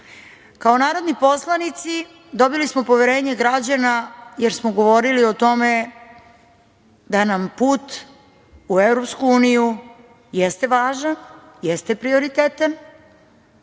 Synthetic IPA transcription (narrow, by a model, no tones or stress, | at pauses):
kao̞naːɾo̞d̪nipo̞slˠanit̪si | d̪o̞bilismo̞po̞ʋeɾe̞ːɲeɡɾad͡ʑanajeɾsmoɡo̞ʋo̞ɾilio̞t̪o̞me̞ | d̪anampuːt̪ | uevɾo̞pskuuːniju | jest̪e̞ʋaːʒan | jest̪e̞pɾio̞ɾit̪eːt̪an